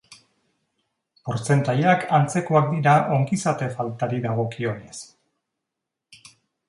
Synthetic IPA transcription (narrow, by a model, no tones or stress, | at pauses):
po̞ɾt͡se̞nt̪ajakant͡se̞koak̚d̪iɾaʔo̞ŋɡisat̪e̞falt̪aɾiðaɣ̞o̞kio̞ne̞s